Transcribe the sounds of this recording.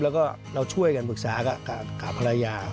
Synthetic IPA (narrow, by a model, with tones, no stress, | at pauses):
lɛ˦˥wkɔː˥˩ | ɾa˧wt͡ɕʰu˥˩əjka˧npʰɯ˨˩k̚saː˩˦ka˨˩ka˨˩kaː˨˩pʰa˧ɾa˧jaː˧